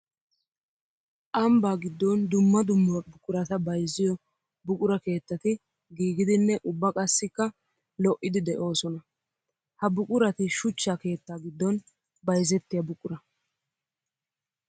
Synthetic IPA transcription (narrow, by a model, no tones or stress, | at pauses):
ʔɐmbaːɡɪd̪ːɔnd̪ʊmːɐd̪ʊmːbʊkʼʊɾɐt̪ɐbɐjzɪjɔ | bʊkʼʊɾɐke̞ːt̪ːɐt̪ɪ | ɡiːɡɪd̪ɪnːɛʔʊbːɐkʼɐsːɪkːɐ | lɔʔːɪd̪ɪd̪ɛʔo̞ːsɔnɐ | hɐbʊkʼʊɾɐt̪ɪʃʊt͡ʃːaːke̞ːt̪ːaːɡɪd̪ːɔn | bɐjzɛt̪ːɪjɐbʊkʼʊɾɐ